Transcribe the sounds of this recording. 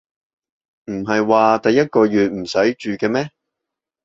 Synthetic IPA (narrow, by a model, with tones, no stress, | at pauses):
m̩˨˩ɦɐ˨jwaː˨t̪ɐ˨jːɐ˥t̚kɔː˧ɥyː˨t̚m̩˨˩sɐ˨˥jt͡ʃyː˨kɛː˧mɛː˥